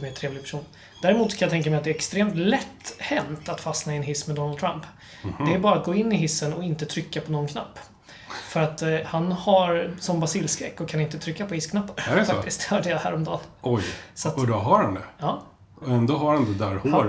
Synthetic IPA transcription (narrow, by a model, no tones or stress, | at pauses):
mɛt̪ʰɾeːvlɪɡ̚pʰæʂuːn | d̪̥æːɾɪmuːt̪kʰanjat̪ʰɛŋk̬amɛjat̪̚d̪ɛːɾɛkst̪ɾeːmt̪lɛt̪ːhɛnt̪at̪fasnaɪnɦɪsːmɛd̪ɔnalt̪ʰɾamp | d̪ɛæɾbɑːɾat̪̚ɡoːɪnːɪɦɪsːənɔɪnt̪ət̪ʰɾʏkːapʰɔnɔnkʰna̰pː | fœɾat̪hanhaɾsɔmbasɪlskɾɛ̰kːɔkʰanɪnt̪ət̪ʰɾʏkːapʰɔhɪsːkʰnapːaɾfakt̪ɪst̪hœːɖɛahæ̰ːɾɔmd̪ɑ̰ːnɔjsat̪d̪ɔɦaɾhand̪ɛ̰ɑː | ɔɛnd̪oːɦaɾhand̪ɛd̪æɾhoɾ